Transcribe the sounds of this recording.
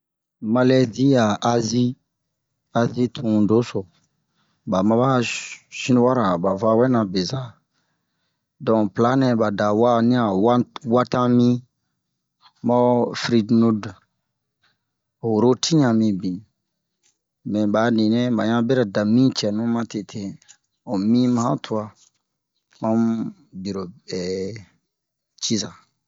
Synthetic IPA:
ma˧lɛ˦di˦a˨ʔa˧zi˦ | a˧zi˦tʰũ˨do˨˦so˨ | ba˨mã˦ba˦ʃĩ˦nu˦wa˦ɾa˨ba˨va˧˦wɛ˦nã˨be˨za˦ | dɔ̃˨pla˨˦nɛ̃˨ba˨da˨wa˦nĩ˦a˨wwa˦tã˦mĩ˦ | mɔ˦fɾi˦dnu˦d | o˨ɾo˦tʰi˦ɲã˨mĩ˧bĩ˨n˨ | mɛ̃˨ba˨nĩ˨nɛ̃˦ba˨ɲã˦bɛ˦ɾa˨da˨mĩ˦t͡ʃɛ˨nũ˦mã˦te˨tʰe˦ | o˨mĩ˦mã˦hã˦tʰu˨˦a˦ | mã˦m | bi˨ɾo˨ɛ˨ | t͡ʃi˦za˨

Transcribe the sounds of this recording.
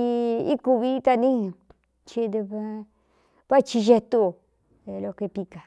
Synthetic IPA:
i˦ku˧βi˦t̪a˧nĩ˦˧ | t͡ʃi˧d̪e˧βe˧ | βa˦t͡ʃi˧ʒe˧t̪u˧˨ | e˧lo˧ke˧pi˧ka˨

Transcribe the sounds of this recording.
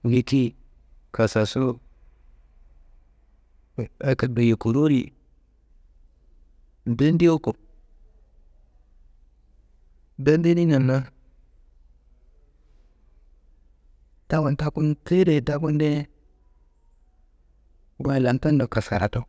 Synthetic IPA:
je˨ti˦ | kʰa˨sa˨su˦˨ | a˨kə˨də˨je˨ku˨ɾo˦ɾi˨ | n̩˨bi˦n˦di˦o˦ko˨ | də˦nde˦ni˦nə˨nːa˦ | ta˦wa˨nta˦ku˦nte˦ɾe˨da˦ku˦nde˦ | wa˦˨la˨nta˦n˦do˨ka˨ska˨ɾa̰˨to˦

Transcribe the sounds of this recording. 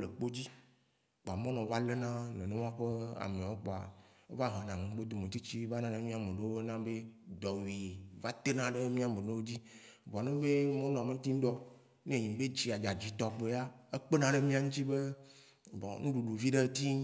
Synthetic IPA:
le˨k͡po˦d͡ʑi˦ | k͡po˨a˨mɔ̃˦nɔ̃˨va˦le˦nã˦nḛ̃˨nẽ˦wõ˦a˦ɸe˦a̰˨mẽ˨o˦k͡pɔ˨a̰˨e˦va˦ɦã˨nã˨ŋẽ˨˦ɡ͡be˦d̪o˦mẽ˨t̪i˦t͡ɕi˦va˦nã˦ne˨mĩ˦a˨mẽ˨ɖe˦wo˦nã˦be˦d̪ɔ˨wi˨va˦t̪e˦nã˦ɖe˦mĩ˦a˨mẽ˨nẽ˦wo˦d͡ʑi˦ | va˨nẽ˦be˦mɔ̃˦nɔ̃˨a˨me˦t̪i˦n˦d̪ɔ˦ | nẽ˦ɲĩ˨be˦d͡ʑi˨a˨d͡ʒa˨d͡ʑi˨t̪ɔ˨k͡pe˨a˦e˦k͡pe˦nã˦ɖe˦mĩ˦a˨ŋũ˦t͡ɕi˦be˦ | ɔ̰˨nũ˦ɖu˨ɖu˨vi˦ɖe˦t̪i˦

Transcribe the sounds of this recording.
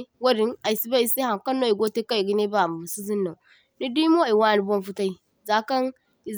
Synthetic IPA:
wa˦ɾi˦na˨i˨si˦ba˦i˦si˦ha˨ŋka˦nːo˦˨i˨ɡo˦te˦ka˦i˨ɡi˦ne˦ba˦˨m˨si˦zi˦nːa˨ | ni˦di˦mo˦˨i˨wa˦˨ni˨bo˦nfu˦ta˦i˦ | za˦ka˦n | i˨

